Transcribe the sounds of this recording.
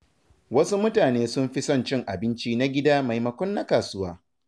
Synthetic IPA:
wɐ˦su˦mʊ˦taː˨neː˦sʊ˦mɸi˦sɐ˦nt͡ʃɪ˦ŋʔa˨bɪ˦nt͡ʃiː˦na˦ɡʲɪ˦daː˦ma˨jmɐ˨kʷɔ˦nːa˦kaː˨sʊ˦waː˦

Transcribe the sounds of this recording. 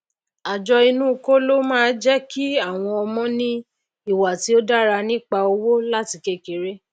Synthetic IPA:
a˨d͡ʒɔ˧i˧nũ˦˨˧ko˦lo˦mãː˦˨d͡ʒɛ˦kʰi˦a˦˨w̃ɔ̃˧ɔ˧mɔ̃˦nĩ˦ | i˦˨wa˨ti˨˦o˦da˦˨ɾa˧nĩ˦k͡pa˧o˧wo˦la˦ti˧ke˦˨ke˨ɾe˦

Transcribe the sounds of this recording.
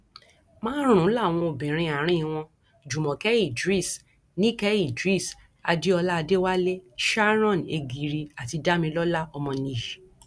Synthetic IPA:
mãː˦ɾ̃ũ˨˦la˦˨w̃ɔ̃˧o˨bɛ̃˨ɾ̃ĩ˧a˨ɾ̃ĩ˦˨w̃ɔ̃˧ | d͡ʒu˨mɔ̃˨kɛ˦i˦˨dɾi˦˨s | nĩ˦kɛ˦i˦˨dɾi˦˨s | a̰˧di˦ɔ˧la˦˧de˦wa˦le˦ʃa˦ɾ̃ɔ̃˦˨ne˧ɡi˨ɾi˧a˨ti˧da˦mĩ˧lɔ˦la˦ɔ˧mɔ̃˧nĩ˧˨i˨

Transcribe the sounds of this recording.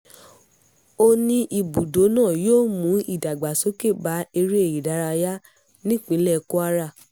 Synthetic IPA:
o˧nĩ˧ʔi˨bu˨do˨˦nãː˦˨joː˦mũ˨˦i˦˨da˨ɡ͡ba˨so˨˦ke˦˨ba˨˦e˧ɾi˦e˦˨ji˨da˨˧˦ɾa˧ja˦ | nĩ˦k͡pĩ˨˦lɛ˦˨˧ko˦a˦ɾa˦˨

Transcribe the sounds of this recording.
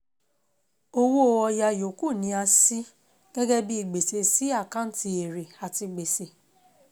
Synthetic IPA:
o˦wo˦˧ɔ˧ja˧jo˨ku˦˨nĩ˨˧˦a˧si˦ | ɡ̥ɛ˦ɡɛ˦bi˦i˦˨ɡ͡be˨se˧si˦a˦˨kã˦n̩˦ti˧e˨ɾe˨a˨ti˧ɡ͡be˨se˨

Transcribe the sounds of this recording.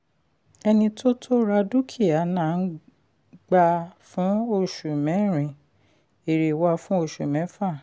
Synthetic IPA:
ɛ˧nĩ˧tʰo˦tʰo˦ɾa˧du˦kʰi˦˨a˨˦nãː˦˨n̩˦ | ɡ͡ba˧fũ˨˦o˦˨ʃu˨mɛ̃˨˦ɾ̃ĩ˨ | e˨ɾe˨wa˧fũ˦o˦˨ʃu˨mɛ̃˨˦fa˦˨

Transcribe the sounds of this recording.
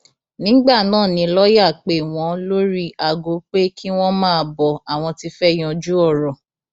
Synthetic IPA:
nĩ˨˦ɡ͡ba˦˨nãː˦˨nĩ˧lɔ˦ja˦˨k͡pe˨w̃ɔ̃˧˦lo˦ɾi˦ʔa˨ɡo˨˦k͡pe˦ki˦w̃ɔ̃˦mãː˦˧˨bɔ˨a˨w̃ɔ̃˧ti˧fɛ˦j̃ɔ̃˧d͡ʒu˦ɔ˦˨ɾɔ˨

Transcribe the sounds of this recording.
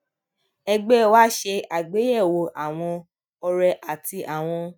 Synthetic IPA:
ɛ˧ɡ͡bɛ˦wa˦ʃe˧a˨ɡ͡be˨˦jɛ˦˨wo˧ʔa˨w̃ɔ̃˧ | ɔ˧ɾɛ˧ʔa˨ti˧ʔa˨w̃ɔ̃˧

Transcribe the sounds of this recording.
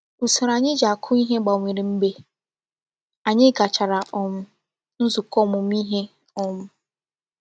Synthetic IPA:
u˨sɪ˨ɾa˨ɲɪ˦d͡ʒa˨kʰʊ˦i˦ɦe˦ɡ͡ba˨o˨ŋʷe˨ɾi˨m̩˦be˦ | a˨ɲɪ˦ɡa˨t͡ʃa˨ɾa˨ʔɔ˨m̩˦ | n̩˦zʊ˨kɔ˦˨mʊ˨m˦i˦ɦe˦ | ɔ˨mʊ˦

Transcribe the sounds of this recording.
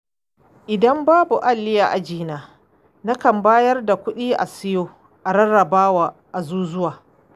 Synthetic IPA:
ʔɪ˨dɐ˦mbaː˦bu˨ʔa˦lːɪ˦jaː˨ʔa˨d͡ʒiː˦naː˨ | na˦kɐ˨mbaː˦jɐ˦rda˨kʷʊ˦ɗiː˦ʔa̰˨sɪ˦joː˦ | ʔa˨ɽɐ˦ɽɐ˨baː˦waː˨ʔa˨zuː˦zʊ˦waː˨

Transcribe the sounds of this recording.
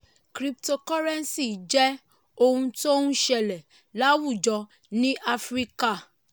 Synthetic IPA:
kɾi˧p̚to˧kɔ˦ɾɛ˦n˦si˦˨d͡ʒɛ˦ | o˧hũ˧to˦hũ˦ʃɛ˧˨lɛ˨ | la˦wu˦˨d͡ʒɔ˧ | nĩ˦ʔa˦fɾi˦ka˦˨

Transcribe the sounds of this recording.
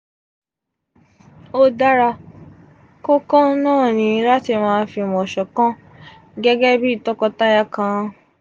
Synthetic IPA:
o˦da˦ɾa˧ | kõ˦kɔ̃˦nãː˦˨nĩ˧˦la˦ti˧mãː˧˦fi˧mɔ̃˨ʃɔ˨kã˦ | ɡɛ˦ɡɛ˦bi˦i˦˨tɔ˦kɔ˧ta˦ja˦kã˧

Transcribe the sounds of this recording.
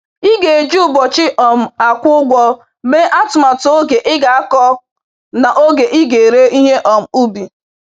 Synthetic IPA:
i˦ɡe˨e˨d͡ʒu˦˨bɔ˨t͡ʃɪ˦ʔɔ˨m̩˨a˨kʷʊ˦ɡʷɔ˦ | be˦ʔa˦tʊ˨ma˨to˦ɡe˨ʔɪ˦ɡa˨a˦kɔ˦ | na˨ʔo˦ɡe˨ʔɪ˦ɡe˨ɾe˦ʔi˦ɦe˦ʔɔ˨m̩˨u˦bi˨

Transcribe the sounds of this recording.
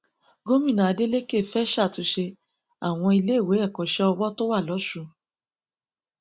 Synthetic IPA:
ɡo˦mĩ˦˨nã˨a˨˧de˦le˦ke˦˨fɛ˦ʃa˦˨tu˧˦ʃe˧ | a˦˨w̃ɔ̃˧i˧le˦i˦˨we˨˦ɛ˦˨kɔ˨ʃɛ˦ɔ˧wɔ˦to˦wa˦˨lɔ˨˦ʃu˦˧˨

